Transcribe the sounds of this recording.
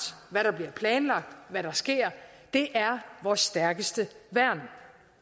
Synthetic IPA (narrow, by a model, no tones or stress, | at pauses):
sʋæɾɑ̈b̥liɐpʰlɛːnlɑ̈ɡ̥̚d̥ʋæɾɑ̈sɡ̥e̝ɐ̰ | d̥e̝ʔæɐʋɒsːd̥æɐɡ̥əsd̥əʋæɐ̰n̥